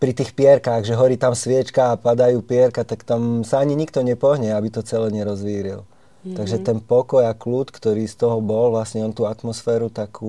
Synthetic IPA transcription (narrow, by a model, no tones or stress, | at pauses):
pɾit̪iːxpɪɛɾkaɣʒɛɦɔɾiːt̪amsʋɪɛt͡ʃkaːpad̪ajuːpɪɛɾkat̪akt̪amsaaɲiɲikt̪ɔɲɛpɔɦɲɛabit̪ɔt͡sɛlɛɲɛɾɔzʋiːɾil | t̪aɡʒɛt̪ɛnpɔkɔjakluːt̪kt̪ɔɾiːst̪ɔɦɔbɔlʋlasɲɛɔnt̪uːat̪mɔsfɛːɾut̪akuː